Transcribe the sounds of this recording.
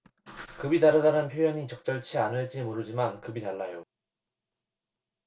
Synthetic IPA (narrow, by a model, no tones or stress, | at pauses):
kɯbidaɾɯdanɯnpʰjojʌɲit͡ɕʌk̚t͡ɕ͈ʌɭt͡ɕʰianɯɭt͡ɕ͈imuɾɯd͡ʑimankɯbitaɭːajo